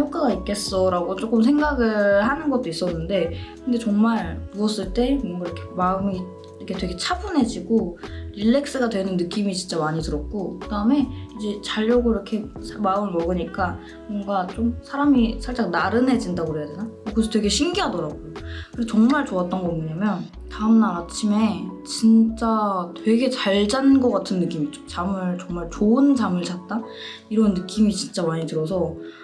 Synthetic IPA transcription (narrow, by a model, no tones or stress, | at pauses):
jok͈aɡaik̚k͈e̞s͈ʌɾaɡot͡ɕ͈ok͈ɯmsʰe̞ŋɡaɡɯɭɭɦanɯnɡʌt̚t͈ois͈ʌnːɯnde̞kɯnde̞t͡ɕʌŋmaɭmuʌs͈ɯɭt͈e̞mʌŋɡaiɾʌkʰe̞maɯmi | iɾʌkʰe̞twe̞ɡe̞t͡ɕʰabunɦe̞d͡ʑiɡoɾiɭːe̞k̚s͈ɯɡadwe̞nɯnːɯk͈imit͡ɕint͡ɕ͈amaɲitɯɾʌk̚k͈okɯdaɯme̞id͡ʑe̞t͡ɕaʎːʌɡoiɾʌkʰe̞sʰamaɯmmʌɡɯɲik͈a | mwʌŋɡat͡ɕ͈omsʰaɾamisʰaɭt͡ɕ͈aŋnaɾɯnɦe̞d͡ʑindaɡoɦejadwenakokɯsʰʌtwe̞ɡe̞ɕʰiŋɡiɦadʌɾaɡokɯeot͡ɕʌŋmaɭt͡ɕoat̚t͈ʌnɡʌɯɲamjʌn | taɯmnaɾat͡ɕʰime̞t͡ɕint͡ɕ͈atwe̞ɡe̞t͡ɕaɭd͡ʑanɯnɡʌk͈atʰɯnːɯk͈imit͡ɕo̥t͡ɕamɯɭt͡ɕʌŋmaɭt͡ɕoɯnt͡ɕamɯɭt͡ɕat̚t͈a | iɾʌnːɯk͈imit͡ɕint͡ɕ͈amaɲitɯɾʌsʰʌ